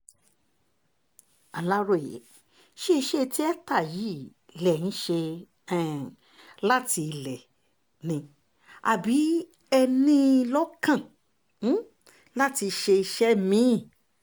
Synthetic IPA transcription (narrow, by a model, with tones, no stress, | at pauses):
a˨la˦ɾo˦˨ḛ˨˦ | ʃe˦˧ʃe˦˧ti˦ɛ˦ta˦˨ji˨˦ | lɛ˨nĩ˦ʃe˧ | ɛ˦˨ | la˦ti˧lɛ˨ | nĩ˧ | a̰˨bi˨˦ | ɛ˧nĩ˦˧lɔ˦kã˦˨˦ | la˦ti˧ʃe˧i˧ʃɛ˦mĩ˦˨